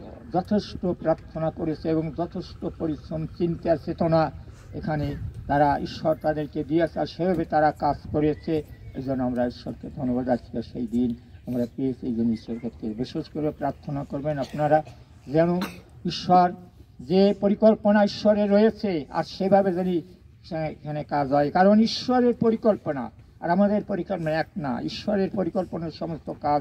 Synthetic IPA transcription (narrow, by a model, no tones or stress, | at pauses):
d͡ʑɔt̪ʰeʃʈopɾaɾt̪ʰːonakoɾet͡ɕʰeeboŋd͡ʑɔt̪ʰeʃʈopoɾit͡ʃont͡ɕint̪eat͡ɕʰet̪ona | ekʰanet̪aɾaiʃːɔɾt̪ad̪eɾked̪iat͡ɕʰeaɾʃebʱabet̪aɾakad͡ʑkoɾet͡ɕʰeḛjd͡ʑonːoamɾaiʃːɔ̰ɾked̪ʱonobad̪akʰi̥kaʃejd̪inamɾapɾiesejd͡ʑoniʃeɾkʰet̪ʰkebiʃeʃkoɾepɾaɾt̪ʰːonakoɾbenapnaɾa | d͡ʑɛnoiʃːaɾd͡ʑepoɾikolponaiʃːɔɾeɾːojet͡ɕʰea̰ɾʃebʱabed͡ʑani | ʃekʰanekad͡ʑɦɔekaɾoniʃːɔɾeɾpoɾikolpona̰ | a̰ɾamad̪eɾpoɾikolɛk̚na̰ḭʃːɔɾeɾpoɾikolponaɾʃɔmost̪oka